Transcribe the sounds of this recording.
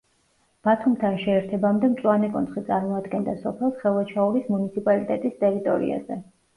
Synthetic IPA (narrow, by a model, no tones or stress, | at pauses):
b̥at̪ʰumt̪ʰanʃɛːɾt̪ʰɛbamd̪ɛmt̪sʼwanɛkʼɔ̰nt̪sχit̪sʼaɾmɔad̪ɡɛnd̪asɔpʰɛlˠsχɛlˠat͡ʃʰauɾismunit̪sʰipʼalit̪ʼɛt̪ʼist̪ʼɛɾit̪ʼɔ̰ɾḭa̰zɛ